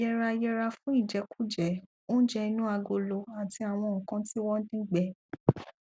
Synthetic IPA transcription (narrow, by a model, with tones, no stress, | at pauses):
jɛ˧ɾa˧jɛ˧ɾa˧fũ˦i˦˨d͡ʒɛ˨˧˦ku̥˦˨d͡ʒɛ˨˦ | o˦d͡ʒɛ˧i˧nũ˦a˧ɡo˧lo˧a˨ti˧a˨w̃ɔ̃˧˨kã˨˦ti˦wɔ˦dĩ˦ɡ͡bɛ˨˦